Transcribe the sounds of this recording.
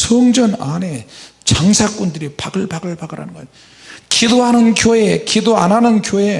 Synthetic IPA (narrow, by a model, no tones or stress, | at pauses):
sʰʌːŋd͡ʑʌna̰ne̞t͡ɕaŋsʰak͈undɯɾipaɡɯɭpaɡɯɭbaɡɯɾa̰nɯnɡʌ | kidoɦanɯnkjoekidoanɦanɯnkjoe̞